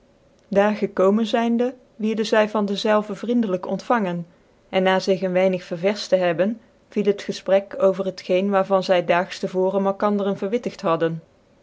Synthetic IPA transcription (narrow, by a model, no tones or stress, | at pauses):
daːɹχəkowmənzɛjndə | ʋɪɹdəzɛjvɑndəzɛlˠvəvrindələkɔ̰ntfɑŋən | ɛnːaːzɪχənʋɛjnəχfəɹvɛɹstəɦɛbən | v̥ilˠɦətχəsprɛkowvərɦətχejnʋaːɹvɑnzɛjdaːχstəvʊːrənmɛlˠkɑndərənvəɹʋɪtəχtɦɑdən